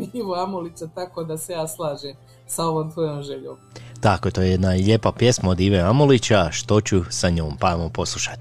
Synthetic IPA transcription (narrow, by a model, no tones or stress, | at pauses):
iːʋoamolit͡ɕat̪akod̪asejaːslˠaːʒem | saoʋoːmt̪ʋojomʒeʎoːmt̪akoet̪ojejed̪naiʎe̞ːpapje̞smaod̪iːʋoamolit͡ɕaʃt̪o̞t͡ɕusaɲoːmpamopo̞slˠuʃḁt̪i̥